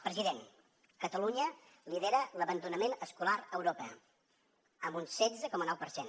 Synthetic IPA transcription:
pɾəziðen | kət̪əluɲə | liðeɾələβənd̪unəmenəskulaɾəwɾopɛ | əmbunsɛd͡zəkɔmənɔwpəɾsen

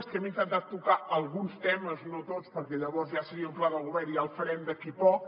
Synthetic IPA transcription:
skɛmint̪ənt̪at̪ːukaəlˠɣunst̪ɛməznot̪ot͡spəɾkɛʎəβɔɾzʒasəɾiəuplaðəlɣuβɛɾialˠfəɾɛnd̪əkipɔk

